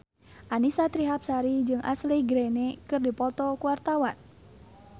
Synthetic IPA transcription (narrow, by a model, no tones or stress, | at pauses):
ʔanisat̪ɾiɦap̚saɾid͡ʒɨŋʔa̰sliɡɾɛnekɨrdipɔt̪ɔkuwart̪awan